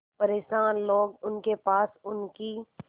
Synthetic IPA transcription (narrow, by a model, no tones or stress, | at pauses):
pɐɾeːʃaːnloːɡʊnkepaːsʊnki